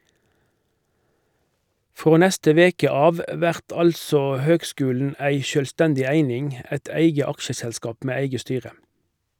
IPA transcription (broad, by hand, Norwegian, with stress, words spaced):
ˈfʁoː ˈnɛstə ˈʋeːkə ˈɑːʋ ə ˈʋæʁt ˈɑlsoː ˈhøːɡˌskʉːln̩ ˈæɪ ʃøːlˈstɛndɪ ˈæɪnɪŋ ˈæt ˈæɪɡə ˈɑkʃəsɛlˌskɑːp ˈmeː ˈæɪɡə ˈstyːʁə